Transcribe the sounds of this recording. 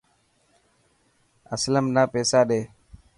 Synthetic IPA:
əsləmnaːpeːsaːɗeː

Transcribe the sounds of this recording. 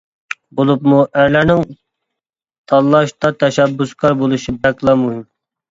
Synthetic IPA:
bolˠupmuʔæɾlæɾnɪŋ | t̪ʰɑlːˠɑʃt̪ɑt̪ʰɛʃɛbːuskʰɑɾbolˠuʃibɛklˠɑmuɦɪm

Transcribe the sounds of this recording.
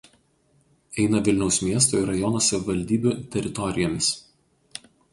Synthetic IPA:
ɛɪnɐʋʲɪlʲnʲɛʊsmʲiɛs̬t̪oːɪɾɐjɔnoːsɐʋʲɪʋɐlʲd̪ʲiːbʲuːt̪ʲɛɾʲɪt̪ɔɾʲɪjoːmʲɪs

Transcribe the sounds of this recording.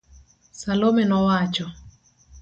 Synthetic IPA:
salomɛnɔwat͡ʃɔ

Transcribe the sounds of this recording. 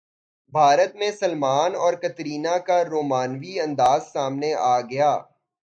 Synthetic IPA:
bʱaːɾət̪mẽsɐlmaːnɔːɾkɐt̪ɾiːnakaɾoːmaːnʋiɐ̃nd̪aːzsaːmneʔaːɡɐjaː

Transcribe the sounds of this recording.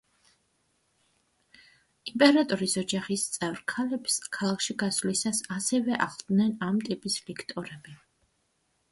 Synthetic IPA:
impʼɛɾat̪ʼɔɾisɔd͡ʒaχist̪sʼɛvɾkʰalɛpskʰalˠakʰʃiɡaslisasasɛvɛʔa̰ʁlˠd̪nɛnamt̪ʼipʼislikʰt̪ʼɔɾɛbi

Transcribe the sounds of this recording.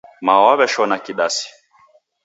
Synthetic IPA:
mawaβɛʃɔnakiɗasi̥

